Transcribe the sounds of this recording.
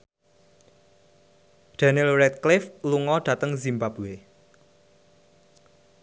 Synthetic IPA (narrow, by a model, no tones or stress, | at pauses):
ɖ̪̥anilrɛt̪̚klɪfluŋɔd̥ä̤t̪əŋzimbapuwe